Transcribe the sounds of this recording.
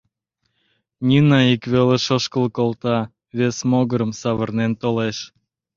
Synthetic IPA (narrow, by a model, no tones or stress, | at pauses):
nʲinɑikβeleʃoʃkəlkolt̪ɑ | βesmoɣəɾəmsɑβərnent̪oleʃ